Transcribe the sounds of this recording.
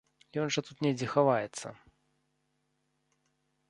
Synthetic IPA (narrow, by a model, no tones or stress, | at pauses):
jɔnʐɐt̪ut̪nʲɛd͡zʲɛxavajɛt̪sːɐ̰